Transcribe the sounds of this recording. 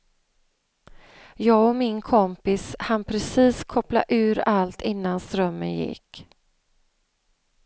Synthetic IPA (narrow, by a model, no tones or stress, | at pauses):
jɑːɡɔmɪnkʰɔmpɪshanpʰɾɛsiːskʰɔpla̰ʔʉ̟ːɾalt̪ɪnːanst̪ɾœmːə̰njɪ̰kː